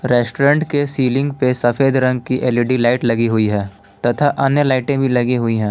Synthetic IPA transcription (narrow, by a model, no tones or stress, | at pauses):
ɾɛːsʈoɾə̃ɳʈkesiːlɪ̃ŋɡpesɐfʰeːd̪ɾɐ̃ŋɡ̚kiʔeliɖilaːɪʈlɐɡiɦʊiɦɛ̃ː | t̪ɐt̪ʰaʔɐnjəlaːɪʈẽbʱilɐɡiɦʊiɦɛ̃ː